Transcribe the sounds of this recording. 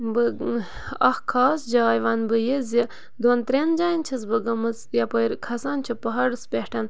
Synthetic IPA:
bɨ | ɐhkʰaːsd͡ʒaːjʋɐːnbɨjezi | d̪oːnt̪ɾend͡ʒaːjnt͡ʃʰɐs̬bɨɡɐmɨt͡sjɐpɐjɾkʰɐsaːnt͡ʃʰipɐɦɐɽɨspʲehʈʰɐn

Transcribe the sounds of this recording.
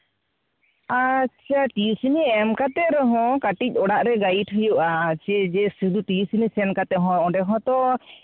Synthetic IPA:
at͡ʃʰaʈiusiniɛmkat̪ɛɾɛɦɔ̃kaʈic̚ˀɔɽaʔɾɛɡaiʈʰɦujuʔat͡ʃʰɛd͡ʒɛsud̪uʈiusinisɛnkat̪ɛɦɔ̃ɔ̃ɖɛɦɔ̃t̪ɔ

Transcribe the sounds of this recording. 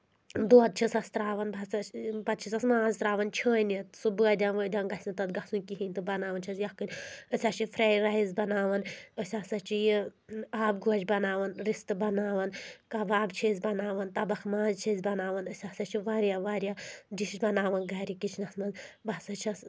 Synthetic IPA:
d̪oːd̪̚t͡ʃʰisɐst̪ɾaːʋɐnbʱɐsɐpɐt̪̚t͡ʃʰisɐsmãːzt̪ɾaːʋɐnt͡ʃʰəːnɐt̪subɨɐd̪ʲaːnʋəːd̪ʲaːnɡɐsʲit̪ɐt̪ɡɐsunʲkiɦinʲt̪ɨbɐnaːʋɐnt͡ʃʰɐsjɐkɨnʲəsʲat͡ʃʰifʰɾeːɾɐizbɐnaːʋɐnəsʲaːsɐt͡ʃʰijiaːb̚ɡoːd͡ʒʲbɐnaːʋɐnɾist̪ɨbɐnaːʋɐnkɐʋaːbt͡ʃʰeːzʲbɐnaːʋɐnt̪ɐbɐxmaːzt͡ʃʰizʲbɐnaːʋɐnəsʲaːsɐt͡ʃʰiʋaːɾʲjaːʋaːɾʲjad͡ʒiʃbɐnaːʋɐnɡɐːɾikit͡ʃʰnɐsmɐnbɐsɐt͡ʃʰɐs

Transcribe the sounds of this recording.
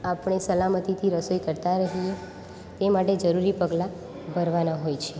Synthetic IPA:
apəɳ̃esəlamət̪it̪ʰiɾəsojkəɾt̪aɾəɦie | t̪emaʈed͡ʒəɾuɾipəɡla | bʱəɾʋanaɦojt͡ʃʰe

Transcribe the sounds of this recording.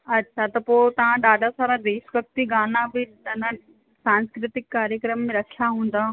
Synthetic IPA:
ɐtːɕʰat̪ɐpoːɪt̪ɐʋ̤ãɗaːɖʱasaːɾad̪eːsʋɐk̚t̪iɡaːnãbɪ | ɐnə̃ | saːnskɾɪt̪ɪkːaːɾjəkɾəmːẽɾɐkʰjaɦũːn̆d̪a

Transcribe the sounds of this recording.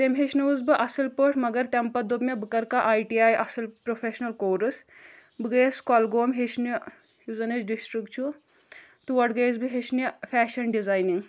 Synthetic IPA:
t̪emʲɦeʃnuʋuzbɨʔɐsɐlpəʈʰmɐɡɐɾt̪empɐd̪upmʲebɨkɐɾkaʔaːjʈiaːjʔɐsɨlpɾofʰeʃnɐlkoːɾɨs | bɨɡəjskɔlɡoːmɦeʃni | huzɐnɐt͡ʃɖisʈɾikt͡ʃʰu | t̪uʋɐʈɡɐjzbiɦeʃnifæːʃɐnɖizaːjniŋɡ

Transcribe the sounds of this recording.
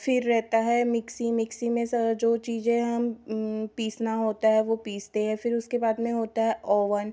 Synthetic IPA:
fɪɾːɛɦt̪aɦɛmɪksimɪksimẽsɐd͡ʒoːt͡ʃiːzẽɦɐmpiːsnaɦoːt̪aɦɛʋopiːst̪eɦɛ̃fɪɾʊskebaːd̪mẽɦoːt̪aɦɛʔɔːʋən

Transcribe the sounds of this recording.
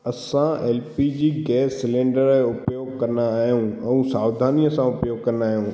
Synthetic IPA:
ɐsãeːlpid͡ʑiːɡɛːsːɪlẽːɳɖəɾɦeʊpjoːɡkɐɾnaːɦjũɛ̃ũsaːʋd̪ʱaːnijəsãʊpjoːɡkɐɾnaːɦjũː

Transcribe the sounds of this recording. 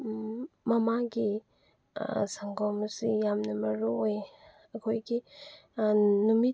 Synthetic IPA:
mɐmaɡi | saŋɡɔmsijamnɐmɐɾuoj | ɐkʰojɡi | numi

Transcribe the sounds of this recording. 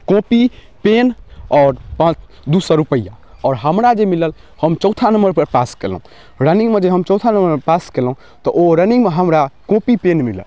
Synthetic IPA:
kõpi | penɔːɾpãt͡ʃ | d̪usəɾupəijaɔːɾɦəmɾad͡ʒemiləl | həmt͡ʃəwt̪ʰanəmbəɾpəɾpaskel̰ũ | ɾənĩŋɡmed͡ʒeɦəmt͡ʃɔwt̪ʰanəmbəɾepaskelɦũ | t̪ɔʔoɾənĩŋɡmeɦəmɾakõpipenmilə̰l

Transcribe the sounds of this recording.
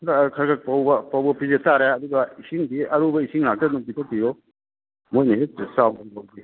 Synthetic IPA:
kʰaɾkak̚pawbɐpawbɐpʰizetaɾeɐduɡɐisiŋbiɐɾubɐisiŋlak̚tɐnuŋpitʰɔk̚bijɔ | mojniesawkawɡi

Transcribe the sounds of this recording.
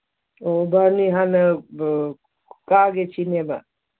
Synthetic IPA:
obəniɦanə | kaɡet͡ʃʰineba̰

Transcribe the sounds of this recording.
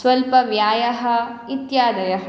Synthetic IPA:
sʋɐlpɐʋjaːjɐɦɐ̆it̪jaːd̪ɐjɐɦɐ

